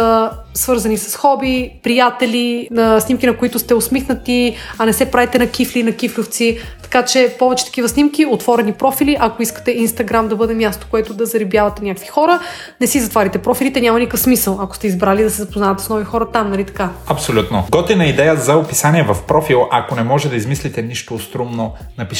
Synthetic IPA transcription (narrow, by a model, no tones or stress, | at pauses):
əsvɤɾzɐnisɐ̥sxɔbipɾijat̪ɛlinɐsnimkinɐkoit̪ʊst̪ɛosmixnət̪iɐnɛsɛpɾavɛt̪ɛnɐk̟iflinɐkiflʲʊft̪sit̪ɐ̥kat͡ʃɛpɔvɛt͡ʃɛ̥t̪ɐ̥k̟ivəsnimk̟iot̪vɔɾɛnipɾɔfiliʔɐkoiskə̥t̪ɛinst̪ɐɡɾamd̪ɐbɤd̪ɛmjast̪o̥koɛt̪ʊd̪ɐzɐɾibjavɐt̪ɛnʲakəkvixɔɾə | nɛsizɐt̪vaɾʲit̪ɛpɾɔfilit̪ɛnʲamɐnikəfsmisəlˠɐko̥st̪ɛizbɾalid̪ɐsɛzɐpoznavɐt̪ɛ̥snɔvixɔɾɐt̪amnɐlit̪ɐ̥kaɐpsolʲut̪noɡɔt̪inɐid̪ɛjəzɐopisaniɛvɐfpɾɔfilˠɐkonɛmɔʒɛd̪ɐizmislʲit̪ɛniʃt̪ost̪ɾumno | nɐpis